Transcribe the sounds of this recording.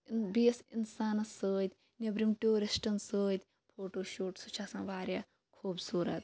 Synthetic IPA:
biesḭnsaːnɐsəːjt̪ʲ | nebɾimʈuːɾisʈɐnsəːjt̪ʲ | pʰoːʈoːʃoːʈsut͡ʃʰaːsãːʋaːɾjaː | kʰuːbsuːɾɐt̪̚

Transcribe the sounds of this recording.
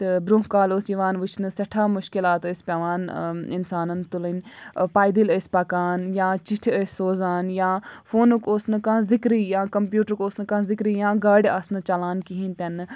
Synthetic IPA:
t̪ebɾuːɦkaːlosiʋaːnʋut͡ʃʰnɨsɐʈʰaːmʊʃkilaːt̪əsʲpʲaːʋaːnɪ̰nsaːnɐnt̪ulənpaːjd̪iləsʲpɐkaːnjãːt͡ʃiʈʰəsʲːoːzaːnjãːfʰoːnukoːsnɨkãːzɪkɾiːjãːkɐmpjuːʈəɾkoːsnɨkãːzɪkɾiːjãːɡɐːɖʲɐsnɨt͡ʃɐlaːnkiɦinʲt̪ɐn

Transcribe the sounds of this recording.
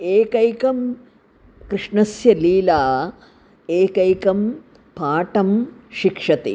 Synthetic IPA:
eːkɐjkɐm | kɾɨʂɳɐsjɐliːlaː | eːkɐjkɐm | paːʈɐmʃikʂɐt̪ḭ

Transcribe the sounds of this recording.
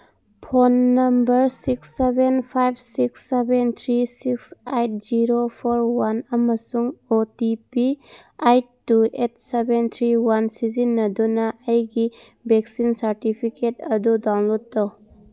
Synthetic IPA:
pʰonːɐmbɐɾsiksːebenpʰajb̚ʰsiksːebent̪ʰɾisiksajt̚z̥iɾopʰoɾwanɐmɐsuŋotipiajtː | uet̚sebent̪ʰɾiwansizinːɐdunɐʔːjɡi | bek̚sinsɐɾtipʰiketɐdudawnlod̚tow

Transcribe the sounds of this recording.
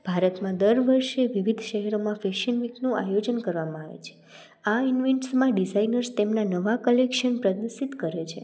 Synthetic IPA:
bʱaɾət̪mãd̪əɾʋəɾʃeʋiʋid̪ʱʃəɦɛɾomãfeʃənʋiknũʔa̰jod͡ʒənkəɾʋamãaʋḛt͡ʃʰe̥ | ainʋɛɳʈsmãɖid͡ʒainəɾst̪emnanəʋakəlekʃənpɾəd̪əsit̪kəɾet͡ʃʰḛ

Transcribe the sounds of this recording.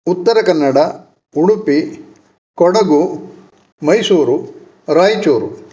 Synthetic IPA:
ut̪ːɐɾɐkɐnːɐɽɐ | uɽupi | kɔɽɐɡu | mɐjsuːɾu | ɾaːjt͡ʃuːɾu

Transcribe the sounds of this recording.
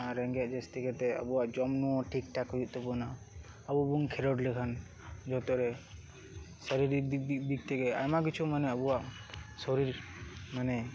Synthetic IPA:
aɾɛŋɡɛt̪̚d͡ʒɛst̪ikɛt̪ɛə̰buwaʔd͡ʒɔmnuɔ̃ʈʰik̚ʈakɦɔjuʔ̪̚t̪ɔpɔna | əbubuŋkʰɛɾɔɖlɛkʰan | d͡ʒɔt̪ɔɾɛ | sɔɾiɾbik̚t̪ɛɡɛa̰jmaɡit͡ʃʰumanɛəbuwaʔsɔɾiɾmanɛ

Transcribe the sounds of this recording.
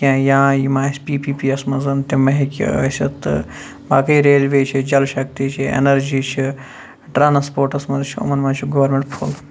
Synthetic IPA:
kʲãːjãːjimãːspiːpiːpiːɐsmɐzɐnt̪emɐɦikʲḭɐ̰sʲɐt̪ɨ̰ | baːkɐiɾeːlʋeːt͡ʃʰid͡ʒɐlʃɐk̚t̪it͡ʃʰiḛnɐɾd͡ʒiːt͡ʃʰi | ʈɾaːnspoːɾʈɐsmɐzt͡ʃʰiɐ̰mɐnmɐnt͡ʃʰuɡoʋɐɾmeɳʈpʰul

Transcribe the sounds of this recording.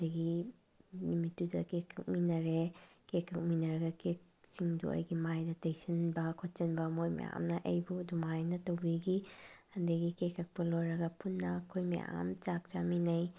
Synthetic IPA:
dɐɡi | limitːudɐkekʰːɐk̚minɐɾekekʰːɐk̚minɐɾɐɡɐkek̚ | siŋdṵʔɐ̰jɡimajdɐtejsinbɐkʰot̚t͡ʃɐnbɐmojmɐ̰ja̰mnɐʔɐjbuɐdumajnɐtɐwbiɡihɐndɐɡikekʰɐk̚pɐlojɾɐɡɐpunːɐːkʰojmɐ̰ja̰mt͡ʃak̚t͡ʃaminɐj

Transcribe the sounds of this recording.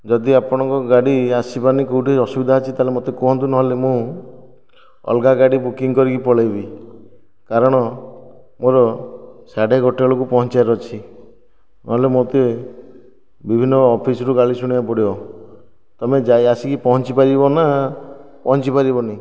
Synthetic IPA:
d͡ʒɔd̪iapɔɽ̃ɔ̃ŋkɔɡaɽiasipanikoɦuʈiɔsubid̪ʱaːt͡ʃʰit̪aɦlemot̪ekɔɦɔ̃nt̪unɔɦɔlemũ | ɔ̰lɡaɡaɽibukiŋkɔɾikipɔɭajbi | kaɾɔɽ̃ɔ | moɾɔsaɖeɡɔʈɔɭokupɔɦɔnt͡ʃajɾɔt͡ʃʰi | nɔɦɔlemot̪e | bibʱinːɔːpʰisɔɾuɡaɭisuɽ̃iapɔɽiɔ | t̪ɔmed͡ʒajasikipɔɦɔnt͡ʃipaɾibɔna | pɔɦɔnt͡ʃipaɾibɔni

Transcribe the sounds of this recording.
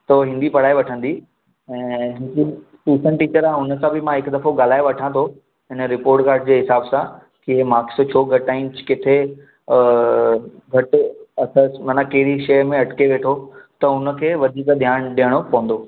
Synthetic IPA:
t̪ɐɦɪ̃nd̪ipɐɽaːeʋɐʈʰə̃nd̪i | ɛ̃ːɦɪki | suːsənʈiːt͡ɕəɾãʊnə̆kãbɪmãɦɪkd̪ɐfoɡaːl̤aːeʋɐʈʰãt̪ʰo | ɦɪnəɾɪpoːɾʈkaːɾʈd͡ʑeːɦɪsaːbsã | kiemaːks̆t͡ɕʰoːɡʱɐʈaːɪmt͡ɕkɪt̪ʰe | ɡʱɐʈɐsəsmɐnãkɐɦɪɾiʃɐjmẽɐʈkeʋeːʈʰot̪ɐʊnə̆kʰeːʋɐd̪ʱiːkd̪ʱjaːɽ̃ɗijəɽ̃opɐʋə̃nd̪oː

